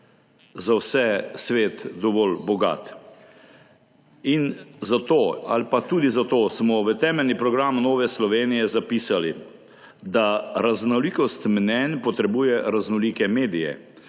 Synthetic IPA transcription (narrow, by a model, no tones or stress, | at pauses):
zawsɛsʋeːt̪d̪ɔʋɔlbɔɡa̰ːt̪ | inzat̪oːa̰lpat̪uːd̪izat̪oːsmɔʋət̪ɛːmɛlnipɾɔɡɾamnoːʋɛslɔʋeːnijɛzapiːsali | d̪aɾaznɔliːkɔst̪mnɛnpɔt̪ɾɛbuːjɛɾaznɔlikɛmeːd̪ijɛ̰